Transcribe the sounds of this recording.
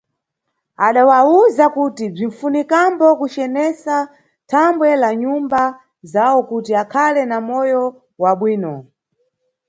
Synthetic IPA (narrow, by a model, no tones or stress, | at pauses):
aɗawauzakutib͡ʐin̩funikambɔkut͡ʃɛnɛsa | tʰambwɛlaɲumba | zawɔkutiakʰalɛnamɔjɔ | waɓwiːnɔ